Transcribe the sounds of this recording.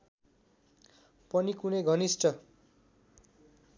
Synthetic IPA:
pʌnikuneɡʱʌnisʈʌ

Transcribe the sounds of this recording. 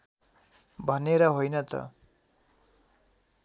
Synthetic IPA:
bʱʌneɾʌɦojnʌt̪ʌ̰

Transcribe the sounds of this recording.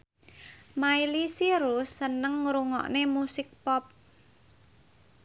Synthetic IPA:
mailisiɾusːənəŋːɾuŋɔ̰ʔnemusɪk̚pɔp̚

